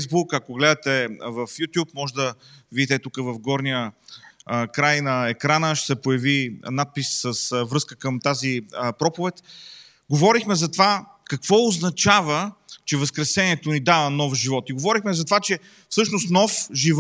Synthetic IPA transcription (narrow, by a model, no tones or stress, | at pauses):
zbukɐkoɡlɛd̪ət̪ɛvəfjut̪ʲjup̚mɔʒɛd̪ɐ | vid̪it̪ɛt̪ukəvɐfɡɔɾnijə | kɾajnɐɛkɾanəʃsɛpojɐvinat̪̚pisːəsvɾɤskə̥kəmt̪aziəpɾɔpovɛt̪ʲ | ɡovɔɾixmɛzɐt̪ova | kɐkvɔʊznɐt͡ʃavət͡ʃɛvɐskɾɛsɛniɛt̪onid̪avənɔfʒivɔt̪iɡovɔɾixmɛzɐt̪ovat͡ʃɛ | fsɤʃnost̪nɔfʒiv